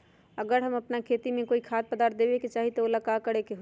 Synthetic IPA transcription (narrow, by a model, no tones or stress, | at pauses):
əɡəɾɦəməpnakʰeːt̪imẽkoːikʰaːt̪̚pəd̪aːɾt̪̚d̪ebeket͡ʃaːɦit̪oolakakəɾekeɦo